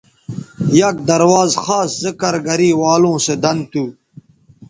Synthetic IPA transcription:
jɐk̚d̪ɐɾwaːzxaːszɐkɐɾɡɐɾiːwaːlõːsed̪ɐnt̪u

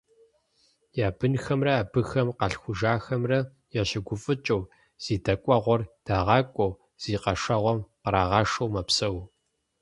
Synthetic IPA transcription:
jaːbɨnxɐmrɐaːbɨxɐmqɐɬxʷʊʒaːxɐmrɐ | jɛɕɪɡʷʊfʼɨt͡ʃʼɐw | z̥iːdɐkʷʼɔʁʷɔrd̥aːʁɑːkʷʼɔw | z̥iːqɐʂɐʁʷɔmqəɾaːʁɑːʂɐwmɐpsɐw

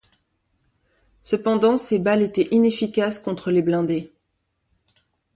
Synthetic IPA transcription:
səpɑ̃d̪ɑ̃sebalet̪ɛʔinefikʲaskɔ̃t̪χəleblɛ̃d̪e

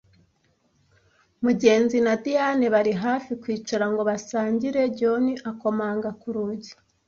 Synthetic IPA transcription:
muɟe̞ːnzinadianeβaɾiɦaːfikwiːt͡ʃaɾaŋɡo̞βasaːɲɟiɾe̞ɟo̞niʔako̞maːŋɡakuɾuɟi̥

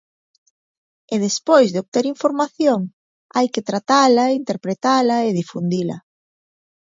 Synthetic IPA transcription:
eðespojzðeoβ̚t̪eɾiɱfoɾmaθjoŋ | ajket̪ɾat̪alɐint̪eɾpɾet̪alɐeðifund̪ilɐ̰

